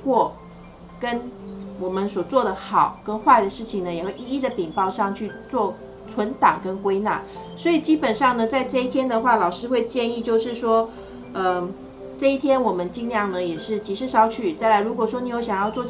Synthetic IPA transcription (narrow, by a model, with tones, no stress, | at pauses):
kwɔ˥˩ | kə˥nwɔ˨˩mə˦nswɔ˨˩t͡swɔ˥˩d̪ə˩xɑ˨˩ʊkə˥nxwa˥˩ɪd̪ə˩ʂɻ̩˥˩t͡ɕʰi˨˩ŋnə˩jɛ˨˩xwe˥˧i˥˧i˥˩d̪ə˩pi˨˩ŋpɑ˥˧ʊʂɑ˥˧ŋt͡ɕʰy˥˧t͡swɔ˥˩ | t͡sʰwə˧˥nt̪ɑ˨˩ŋkə˦˥nkwe˥ɪna̰˥˩ | swɔ˧˥i˨˩t͡ɕi˥pə˨˩nʂɑ˥˩ŋnə˩t͡sa˥˧ɪʈ͡ʂɤ˥˧i˥t̪ʰjɛ˥nd̪ə˨xwa˥˩lɑ˨˩ʊʂɻ̩˥xwe˥˧ɪt͡ɕjɛ˥˧ni˥˧t͡ɕjo˥˧ʊʂɻ̩˥˩ʂwɔ˥ | ə˧ | ʈ͡ʂɤ˥˧i˥˩t̪ʰjɛ˥nwɔ˨˩mə˦nt͡ɕi˥ŋljɑ˥˩ŋnə˩jɛ˨˩ʂɻ̩˥˩t͡ɕi˧˨˥ʂɻ̩˥˧ʂɑ˧˥ʊt͡ɕʰy˨˩t͡sa˥˩ɪla˧˥ɪɻu˧˥kwɔ˨˩ʂwɔ˥ni˨˥jo˧˥ʊɕjɑ˨˩ŋjɑ˥˧ʊt͡swɔ˥˧